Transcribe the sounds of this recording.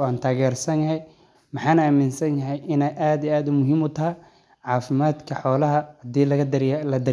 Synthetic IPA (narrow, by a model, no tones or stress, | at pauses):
ɔaːnt̪ʰaːɣɛːrsɐnjɐɦɛj | mɐħaːnaːmɪnsɐnjɐɦɛjʔɪnɛjʔaːd̪ijaːd̪ʊmʊɦiːmʊt̪ʰɐ | ʕɑːfɪmaːd̪kʰɐħɔːlɐɦɐhɐd̪iːlɐlɐd̪ɐ